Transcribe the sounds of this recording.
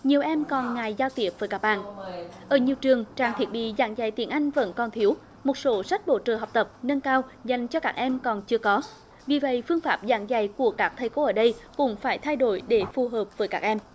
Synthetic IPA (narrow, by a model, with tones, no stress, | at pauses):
ɲi˨˩əwʔɛ˧mkɔ˨˩nŋaː˨˩jzaː˧wt̪i˨˩əp̚v̥əː˨˦jkaː˦˥k̚ɓa̰ː˧˨nʔʔəː˧˩ɲi˨˩əwt͡ɕɨ˨˩əŋt͡ɕaː˨˩ŋt̪ʰi˨˥ət̚ɓḭ˧˨za̰ː˧˩ŋza̰˧˩jt̪i˧˩ənʔa˧jŋ̟və̰˧˥nkɔ˨˩nt̪ʰi˨˦əw | mo˨˩t̚so˨˦sa˦˥jk̟̚ɓo̰˧˩t͡ɕəː˨˩ɦa˨˩wk͡p̚t̪ə˨˩p̚nə˧nkaː˧wza˨˩jŋ̟t͡ɕɔ˧kaː˦˥k̚ʔɛ˧mkɔ˨˩nt͡ɕɨ˧əkɔ˨˦ | vi˨˩və̰˧˨jfɨ˧əŋfaː˦˥p̚za̰ː˧˩ŋza̰˧˩˨jku˧˩əkaː˦˥k̚t̪ʰə˧jko˨˦ʔəː˧˩ɗə˧jkʊ̰˧˥ŋ͡mfaː˧˩jt̪ʰa˧jɗo˧˩jɗe˧˩fu˨˩ɦəː˨˩p̚vəː˨˦jkaː˦˥k̚ʔɛ˧m